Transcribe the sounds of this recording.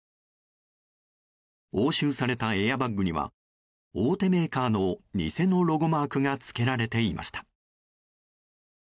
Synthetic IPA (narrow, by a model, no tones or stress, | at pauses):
o̞ːɕɨːsaɾe̞t̪ae̞jabaŋɡɯ̟ɲ̟ʲiβ̞a̰ | oːt̪e̞me̞ːkaːno̞ɲʲḭse̞no̞ɾo̞ɡo̞maːkɯ̟ŋat͡sɨ̥ke̞ɾaɾe̞t̪e̞imʔa̰ɕi̥t̪ḁ